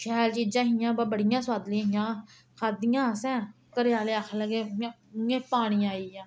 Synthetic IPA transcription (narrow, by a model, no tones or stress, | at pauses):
ʃɛːlt͡ʃiːd͡ʒãːɦɪjãːbabəɽɪjãːsʊwaːd̪lĩːɦɪjãː | kʰaːd̪ɪjãːsɛ̃ː | kəɾjaːleːakʰləɡẽː | ẽːpaːɽ̃ĩːaːiːjãː